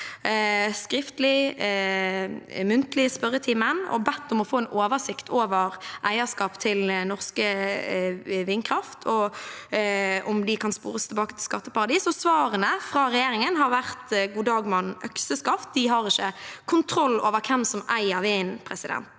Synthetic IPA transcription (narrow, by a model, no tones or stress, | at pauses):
skʁɪft̪lɪ | mʉnt̪əlɪəspœʁət̪ʰiːmənɔ̰bɛt̪ːʊmɔfoːɛnʔoːʋəsɪkt̪ʰoːʋəʁʔæɪəskɑːpt̪ʰɪlnɔʁskə | ʋɪnkʰʁɑft̪ʰɔ | ʔɔmd̪ɪkʰɑnspṵːʁəst̪ʰɪlbɑːkət̪ʰɪlskɑt̪ːəpɑʁɑd̪iːsɔsʋɑːʁənəfʁɑɾɛjeːɾɪŋənɦɑɾʋæʁt̪ɡuːd̪ɑːɡmɑnːœksəskɑft̪̚d̪ɪɦɑʁɪçəkʰʊnt̪ʰɾɔlːoːʋəkʰɛmsɔmæɪəɾʋɛnpʰɾɛsɪd̪ɛ̰nt̪